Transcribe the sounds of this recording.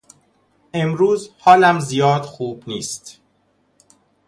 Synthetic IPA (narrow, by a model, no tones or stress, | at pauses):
ʔe̞mɾuːzhɒːlæmzijɒːd̪xuːbniːst̪